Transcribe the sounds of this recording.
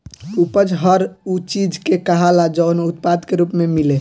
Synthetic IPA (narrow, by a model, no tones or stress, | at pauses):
upəd͡ʒɦəɾut͡ʃid͡ʒkekəɦalad͡ʒəʊnut̪̚pad̪keɾuːpmemile